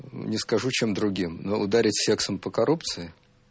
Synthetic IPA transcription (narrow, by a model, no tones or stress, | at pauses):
nʲɪskɐʐut͡ɕe̞md̪ɾʊɡʲimnoʔʊd̪aɾʲɪtʲsʲe̞ksəmpəkɐɾupt̪sɨɪ